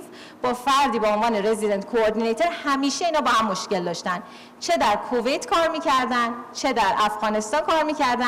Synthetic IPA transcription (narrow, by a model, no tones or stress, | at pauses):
b̥ɒːfæɾd̪iːbeonvɒːne̞ɾe̞zid̪ent̪kʰoːɾd̪inejt̪ʰo̞ɾhæmiːʃe̞iːnɒːbɒːɦæmːo̞ʃce̞ld̪ɒːʃt̪æn | t͡ʃʰe̞d̪æɾkʰove̞jt̪ʰkʰɒːɾmiːcʰæɾd̪ænd̪t͡ʃʰe̞d̪æɾʔæfɣɒːne̞st̪ɒːnkʰɒːɾmiːcæɾd̪æ